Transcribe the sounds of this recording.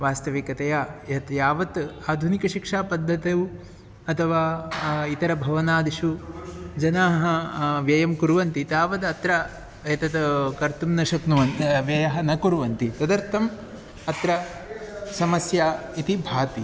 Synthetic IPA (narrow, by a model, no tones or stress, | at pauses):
ʋaːst̪ɐʋikɐt̪ɐjaːjɐt̪jaːʋɐt̪aːd̪ʱunikɐʃikʂaːpɐd̪ʱːɐt̪ew | ɐt̪ʰɐʋaːit̪ɐɾɐbʱɐʋɐnaːd̪iʃud͡ʒɐnaːɦɐʋjɐjɐmkuɾʋɐnt̪it̪aːʋɐt̪ɐt̪ɾɐ | jt̪ɐt̪kɐɾt̪umnɐʃɐknuʋɐnʋjɐjɐɦɐnɐkuɾuʋɐnt̪it̪ɐd̪ɐɾt̪ʰːɐm | ɐt̪ɾɐ | sɐmɐsjaːit̪ibʱaːt̪i